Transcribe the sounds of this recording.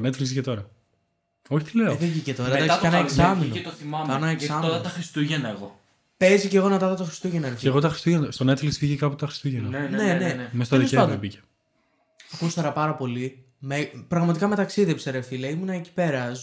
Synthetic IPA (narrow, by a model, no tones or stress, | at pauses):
net̪flikscet̪o̞ɾɐ | oçi̥t̪ileoðiʝicet̪o̞ɾɐðd̪ɐk̪sikɐnɐeksɐminot̪oθimɐmɐnɐeksɐmɐt̪ɐxɾist̪uʝenɐeɣo | pe̞zice̞ɣo̞nɐt̪ɐðɐt̪oxɾist̪uʝenɐɾefeɣot̪ɐxɾi̥st̪uʝenɐst̪one̞t̪fliksfiʝekɐput̪ɐxɾi̥st̪uʝenɐnenemest̪ɐeðieepɐnd̪obice̥ | ɐkust̪ɐɾɐpɐɾɐpo̞li | mepɾɐɣmɐt̪ikɐme̞t̪ɐksiðepseɾefilɐimunɐeci̥pe̞ɾɐz